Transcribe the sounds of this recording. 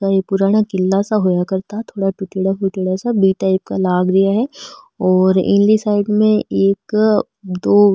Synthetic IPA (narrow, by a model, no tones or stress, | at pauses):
ajepʊɾaːɽ̃akɪlːasaɦojakɐɾt̪at̪ʰoːɽaʈʊʈeɽafʊʈeɽasabiʈaːɪp̚kalaːɡɾɐjaɦɛ | ɔːɾɪ̰̃nlisaːɪɖmẽeːk | d̪oː